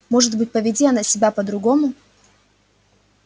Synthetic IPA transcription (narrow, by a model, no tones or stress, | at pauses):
mo̞ʐɨt̪bɨtʲpəvʲɪdʲiɐnəsʲɪbʲapəd̪ɾʊɡo̞mʊ